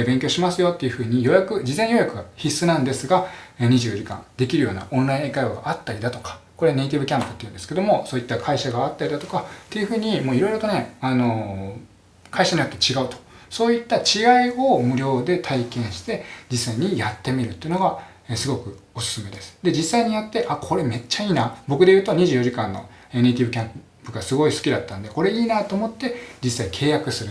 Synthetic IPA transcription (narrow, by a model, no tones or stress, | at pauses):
bẽ̞ŋkʲo̞ːɕimasɨjo̞t̪ːe̞jɯ̟ɸɯ̟ːɲ̟ijo̞jakɯ̟d͡ʑizẽ̞ɰ̃jo̞jakɯ̟ɡaçisːɨnãnd̪e̞sɨɡaɲ̟iʑɨːd͡ʑikã̰nd̪e̞kʲiɾɯ̟jo̞ːna̰ʔõ̞nɾaĩekaioɡa̰ʔat̪ːaɾʲid̪at̪o̞̥kḁko̞ɾe̞ne̞it̪ʲibɯ̟kʲãmpɯt̪ːeiɯ̟nd̪sɨ̥ke̞d̪o̞mo̞soːit̪ːakʰaiɕaɡaːt̪ːaɾʲid̪at̪o̞kat̪ːe̞jɯ̟ɸɯ̟ːɲ̟imo̞ːiɾo̞iɾo̞t̪o̞ne̞ano̞ | kʰaiɕaɲ̟ijo̞t̪ːe̞t͡ɕiɡaɯ̟t̪o̥ | so̞ːit̪ːat͡ɕiɡaiomɯ̟ɾʲo̞ːd̪e̞t̪ʰaikẽ̞ɰ̃ɕi̥t̪e̞d͡ʑisːaiɲ̟ijat̪ːe̞mʲiɾɯ̟t̪ːeiɯ̟noɡa | esɨɡo̞kɯ̟osɨ̥sɨme̞d̪e̞sɨ̥d̪e̞d͡ʑisːaiɲ̟ijat̪ːe̞ʔakʰo̞ɾe̞me̞t͡ɕːaiːnabo̞kɯd̪ejɯ̟ːt̪o̞ɲ̟iʑɨːjo̞ʑikãnːo̞̰ | e̞neit̪ʲibɯ̟kʲãm | pɯɡasɨɡo̞isɨ̥kʲid̪at̪ːãnod̪e̞ko̞ɾe̞iːnaːt̪o̞ːmo̞t̪ːe̞d͡ʑisːaikʰe̞ːjakɯ̟sɨɾɯ